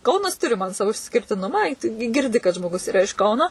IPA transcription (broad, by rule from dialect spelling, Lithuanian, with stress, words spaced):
ˈkɐʊnɐs ˈtʊrʲɪ mɐn ˈsɑːʋoː ɪʃʲsʲkʲɪrʲtʲɪˈnʊmɑː ɪ tʊ ɡʲɪ ɡʲɪrʲˈdʲɪ kɐt ʒmoːˈɡʊs ɪˈrɐ ɪʃ ˈkɐʊnoː